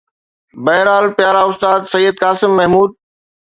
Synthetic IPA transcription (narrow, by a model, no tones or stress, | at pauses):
bɐɦɾaːlpjaːɾaʊst̪aːd̪sɐjːəd̪̚kaːsɪmːɐɦmuːd̪̚